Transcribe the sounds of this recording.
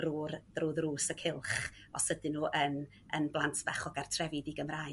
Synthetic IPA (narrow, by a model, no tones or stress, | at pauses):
ruːrðruːðruːsəkʰɪlˠχ | ɔsədɪnuːʔən | ənblˠantʰb̥aχɔɡartʰrɛvidiɡəmra